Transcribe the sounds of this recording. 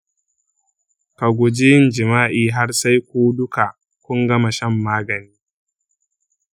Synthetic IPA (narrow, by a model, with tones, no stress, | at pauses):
ka˨ɡʷʊ˨d͡ʒi˦nd͡ʒɪ˨maː˦ʔiː˨ɦa˦rsa˦jkʷoː˦dʊ˦ka˨ | kʷʊ˦ŋɡɐ˦ma˨ʃɐ˦mːaː˦ɡɐ˨niː˦